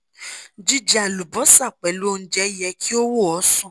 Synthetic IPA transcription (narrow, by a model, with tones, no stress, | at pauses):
d͡ʒi˦d͡ʒɛ˦a˨lu˨bɔ˨˦sa˦˨k͡pɛ˨lu˨˦o˧n̩˦d͡ʒɛ˨˦jɛ˧kʰi˦o˦wo˦˨ɔ˨˦sũ˦˨